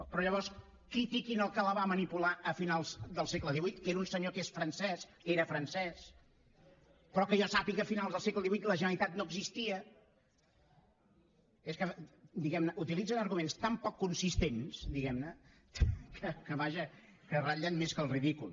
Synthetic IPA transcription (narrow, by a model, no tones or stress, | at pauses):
pɾɔʎəβ̞ɔɾs | kɾit̪ikinəlˠkələβamənipulaʔəfinalˠzd̪əlˠsɛkləðiβujt̪keɾunsəɲokesfɾənsɛskeɾəfɾənsɛs | pɾɔkəʒasapiɣəːfinalˠzðəlˠsɛkləðiβujt̪ləʒənəɾit̪at̪̚noəɡzist̪iə | eskəd̪iɣɛmnəʔut̪ilid͡zənəɾɣumenst̪ampɔkːunsist̪ensd̪iɣɛmnə | kəkəβaʒə | kəraʎənmeskəlˠriðikulˠ